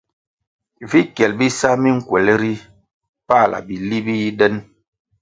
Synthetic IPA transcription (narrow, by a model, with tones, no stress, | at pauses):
vi˦kjɛ˨lbi˦sa˦mi˦ŋ̩˦kwɛ˨lɾi˦ | pa˦˨lʔa̰˨bi˨li˦bi˦i˦ɗɛ˦n